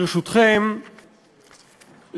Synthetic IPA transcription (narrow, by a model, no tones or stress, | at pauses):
ʁeʃut̪χem | l